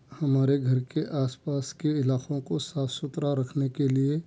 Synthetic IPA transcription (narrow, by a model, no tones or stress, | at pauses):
hɐmaːɾeɡʱɐɾkeʔaːspaːskeɪlaːkõkosaːfʰsʊt̪ɾaɾɐkʰnekelie